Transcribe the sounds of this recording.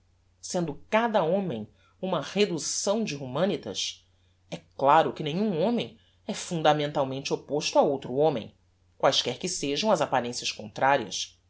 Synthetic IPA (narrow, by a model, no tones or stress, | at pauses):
sẽnd̪ʊkad̪ɐõmẽj̃ | ũmɐhed̪usɐ̃w̃d͡ʒɪɦumɐ̃nit̪ɐ̰s | ɛklaɾʊkɪnẽɲ̃ũõmẽj̃ | ɛfũnd̪amẽnt̪awmẽnt͡ʃɪopoʃt̪ʊaowt̪ɾʊõmḛ̃j̃ | kwajskɛɾkɪseʒɐ̃w̃ɐzapaɾẽsiɐskõnt̪ɾaɾiɐ̰s